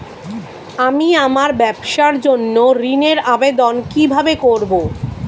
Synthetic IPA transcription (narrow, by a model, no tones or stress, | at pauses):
amiamaɾbɛbʃaɾd͡ʑonːoɾineɾabed̪onkibʱabekoɾbo